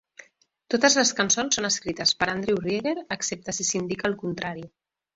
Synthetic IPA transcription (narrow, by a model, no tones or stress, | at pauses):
t̪ot̪əzləskənsonsːonəskɾit̪əspəɾənd̪ɾewreɣeɾəksep̚t̪əsisind̪ikəːlˠkunt̪ɾaɾi